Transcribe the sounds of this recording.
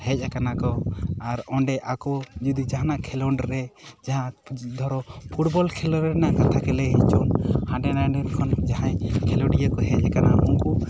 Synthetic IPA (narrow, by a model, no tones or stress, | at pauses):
hɛc̚ˀɛkanakɔaɾɔɳɖɛʔakɔd͡ʒud̪id͡ʒaɦanaʔkʰɛlɔɳɖɾɛd͡ʒaɦãd̪ʱɔɾɔpʰuʈbɔlkʰɛlɔɾɛnaʔkat̪ʰakɛlɛɦɛt͡ʃɔmhãɖɛnaɖɛɾkʰɔnd͡ʒaɦãjkʰɛlɔɖijəkɔɦɛc̚ˀɛkanauŋku